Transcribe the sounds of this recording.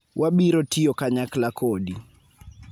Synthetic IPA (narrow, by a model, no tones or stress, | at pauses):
wʔabiɾotiɔkaɲaklakʰodi